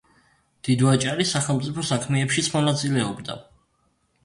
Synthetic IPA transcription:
d̪̥id̪wat͡ʃʼaɾisaχɛlˠmt̪sʼipʰɔsakʰmɛɛpʃit̪sʰmɔnat̪sʼilɛɔbd̪a̰

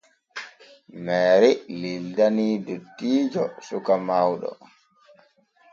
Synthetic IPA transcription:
mɛːɾɛlildanidutːiːd͡ʒɔsukamawɗɔ̰

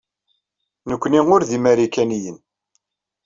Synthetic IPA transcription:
nəkʷːniŋʊɾðimæɾikænijən

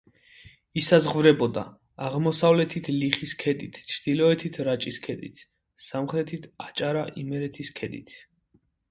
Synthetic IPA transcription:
isazʁvɾɛbɔd̪a̰ː | ʁmɔsavlɛt̪ʰit̪ʰliχiskʰɛd̪it̪ʰt͡ʃʰɾd̪ilɔɛt̪ʰit̪ʰɾat͡ʃʼiskʰɛd̪ḭt̪ʰ | samχɾɛt̪ʰit̪ʰat͡ʃʼaɾaʔimɛɾɛt̪ʰiskʰɛd̪ḭt̪ʰ

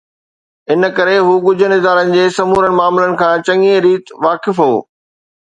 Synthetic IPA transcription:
ɪn̆kɐɾeɦuːɡʊd͡ʑʱənɪzaːɾənɪ̆d͡ʑeːsɐmuːɾəɽɪ̆maːmɪlənɪ̆kʰãːt͡ɕɐŋẽɾiːt̪ʋaːkɪfɦo̰ː

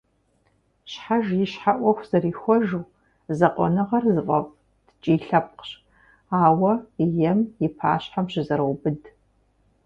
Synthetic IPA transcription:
ɕħaʒjɪɕħaʔʷɔxʷz̥ɐriːxʷɔʒuː | zɐqʷʼɔ̰nɨʁɐrzɨfʼɐpʼ | d̥t͡ʃʼiːɬɐp̚qɕ | aːwɐjɛmjɪpʰa̰ːɕħamɕɪzɐɾɐwbɨd

